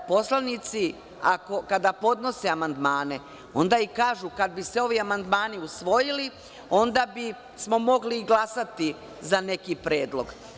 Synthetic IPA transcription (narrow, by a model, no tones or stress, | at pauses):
po̞slˠanit̪si | ako̞kad̪apo̞d̪no̞se̞amand̪maːne̞ | o̞nd̪aikaːʒukad̪̚biseo̞ʋiamand̪maːniusʋo̞jili | o̞nd̪abi | smo̞mo̞ɡliɡlˠasat̪i | zane̞kipɾeːd̪lˠo̞ɡ